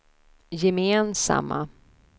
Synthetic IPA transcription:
jɛmeːnsa̰mːa

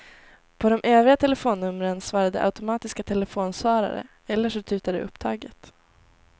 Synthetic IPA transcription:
pʰɔd̪ɔmʔeːvɪɡat̪ʰɛlɛfoːnːɵmːɾənsvɑːɾad̪ə̰ʔa̰ʊt̪ʊmɑːt̪ɪskat̪ʰɛlɛfoːnsvɑːɾa̰ɾə̰ | ɛlːəʂɔt̪ʰʉ̟ːt̪ad̪ə̰ɵ̰pːt̪ʰɑːɡət̪

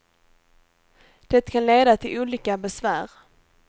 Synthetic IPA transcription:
d̪̥ɛt̪ːkʰanleːd̪at̪ʰɪlʔuːliːkabɛsvæːɾ

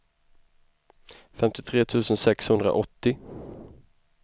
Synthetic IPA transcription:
fɛmt̪ɪt̪ʰɾeːt̪ʰʉ̟ːsənsɛkshɵnd̪ɾa̰ʔɔt̪ːɪ

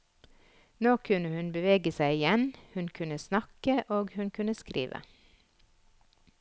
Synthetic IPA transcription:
noːkʰʉnəhʉnbəʋeːɡəsæɪɪjɛnhʉnkʰʉnəsnɑkəʔoːɡhʉnkʰʉnəskɾḭːʋə̰

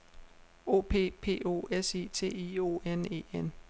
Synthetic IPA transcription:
o̝̰ːpʰe̝̰ːpʰe̝̰ːo̝̰ːesḛːt͡sʰe̝̰ːio̝ːene̝̰ːen

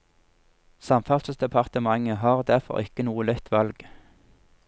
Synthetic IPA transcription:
sɑmfɑlssd̪ɛpʰɑʁt̪əmɑŋəɦɑːʁd̪æʁfɔ̰ʁɪkənuːəlɛt̪ʰʋɑlɡ

